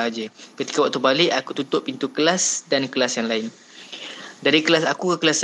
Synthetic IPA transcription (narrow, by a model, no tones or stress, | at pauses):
ad͡ʒəkət̪i̥kawaʔt̪ubalɪʔakut̪ut̪ʊʔpint̪ukəlasdankəlasjaŋlaɪn | daɾikəlasakukəkəlas